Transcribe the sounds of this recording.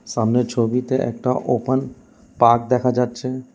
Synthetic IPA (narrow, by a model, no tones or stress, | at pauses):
ʃamneɾt͡ɕʰobit̪eʔɛ̰k̚ʈaʔopən | pak̚d̪ɛkʰad͡ʑatːɕʰe